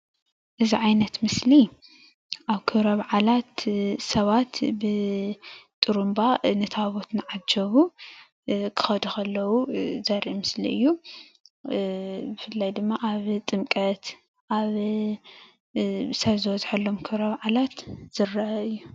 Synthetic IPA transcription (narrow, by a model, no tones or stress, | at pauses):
ʔɨziʕajnɐt̪mɨsli | ʔaβkʰɨɾɐβʕalat̪sɐβat̪bɨ | t̪ʼɨɾumbanɨt̪ʰaβo̞t̪nɨʕad͡ʒɐβu | kʰɨ̥xɐd̪uxɐlːɐwuzɐɾimɨslḭʔɨjːu | bɨfɨlːajd̪ɨmːaʔaβt̪ʼɨmkʼɐt̪ | ʔaβ | sɐβzɨwɐzħɐlːo̞mkʰɨβɾɐβʕalat̪z̥ɨrːaʔɨjːu